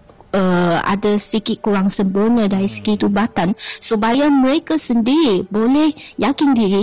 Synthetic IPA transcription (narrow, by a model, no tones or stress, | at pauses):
əa̰dasikɪt̪̚kuɾaŋsəmbərnə̃daɾisə̥ɡit̪ubat̪ansubajamə̃ɾekasəndiɾibolɛhjakɪndiɾi